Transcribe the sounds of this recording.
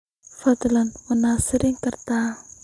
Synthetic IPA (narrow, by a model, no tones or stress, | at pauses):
fad̪lanmənasɾiŋkərt̪a